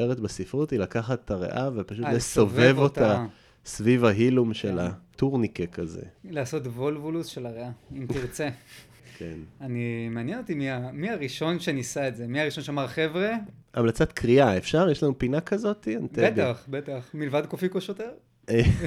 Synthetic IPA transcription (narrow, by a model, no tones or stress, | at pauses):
eʁetbesifʁutilakaχateaʁḛʔavepaʃutesovevot̪a | svivaɦilumʃelatuʁnikekazḛlaːso̞tvolvulusʃelaʁeaimtiʁt͡se | kʰḛnanimeanjenot̪imiamiaʁiʃo̞nʃenisaetzemiaʁiʃo̞nʃeamaʁχe̞vʁeamlat͡sat̪kʁiaefʃaʁjeʃlanupinakazo̞tiant̪eeɡaχbet̪aχmilvad̚kofikoʃoteʁ | e